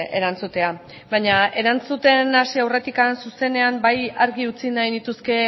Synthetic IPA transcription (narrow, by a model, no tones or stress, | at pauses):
e̞̰ɾant͡sut̪e̞a | baɲae̞ɾant͡sut̪e̞nasiawre̞t̪ikansuse̞ne̞ambajaɾɣiut͡sinajnit̪uske̞